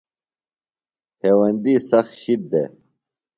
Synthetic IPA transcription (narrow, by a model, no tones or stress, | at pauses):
heːwɐnd̪iːsɐxɕid̪̚d̪e